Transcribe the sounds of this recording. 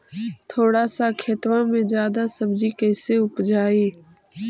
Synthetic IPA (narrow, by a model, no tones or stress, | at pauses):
t̪ʰoːɽaːsaːkʰeːt̪ʋãːmẽːd͡ʒjaːd̪aːsəbd͡ʒiːkəːseːʊpd͡ʒaːiː